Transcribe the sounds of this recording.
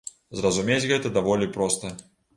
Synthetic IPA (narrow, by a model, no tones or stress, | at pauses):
zrɐzumʲet͡sʲɣɛt̪ɐd̪avɔlʲipɾɔst̪ɐ